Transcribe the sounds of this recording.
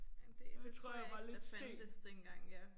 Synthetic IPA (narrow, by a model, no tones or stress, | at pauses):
d̥et͡sʰʁo̝ɐ̰jɑ̈ʋɑ̈le̝d̥sḛːdəsd̥enɡ̥ɑ̈ŋ̰jæ